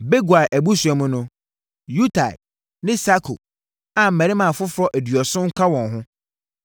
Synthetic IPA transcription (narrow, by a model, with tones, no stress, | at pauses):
be˦ɡu˨a˨ʔæ˨bu˦su˨ɛ˨mʊ̃˦nʊ̃˦ | ju˦tʰa̰˨ | nɪ̃˦sa˦kʰo̰˨ | ã˨m̩˨æ̃˨ɾi˦mã˨fʊ˦fɾɔ˦ʔæ˨dɥɔ˨sʊ̃˦ŋ̩˦kʰa˦wɔ̃˨nɦʊ̃˦